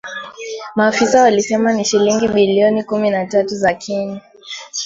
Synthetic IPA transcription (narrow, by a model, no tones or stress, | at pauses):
maːfisawalisɛmaniʃiliŋɡiɓiliɔnikuminatatuzakʰiɲa